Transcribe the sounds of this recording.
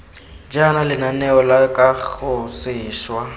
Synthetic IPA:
d͡ʒanalɪnanɛɔlakʼak͡xʊsɪːʃwa

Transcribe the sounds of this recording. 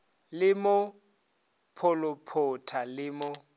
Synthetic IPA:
lɪmʊ | pʰɔlʊpʰʊtʰalɪmʊ

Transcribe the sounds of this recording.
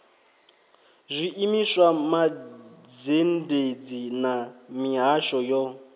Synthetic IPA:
zʷiʔimisamad͡zended͡zinamiɦaʃɔjɔ

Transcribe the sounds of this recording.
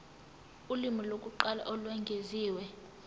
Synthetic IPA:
ulimilokʼuǃala̰ʔɔlwɛŋɡʱeziːwɛ

